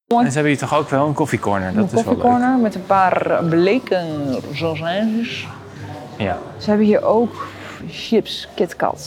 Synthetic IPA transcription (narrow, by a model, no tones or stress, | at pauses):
onsəɛbəjətɔxowkʋɛlˠənkɔfikɔɹnəɹdɔəntkofikoɹnəɹmɛtənpaːrblekəzolˠzɛnzəs | səhɛbəhiəʔoːk | ʃɪpskɪtkɑ̰t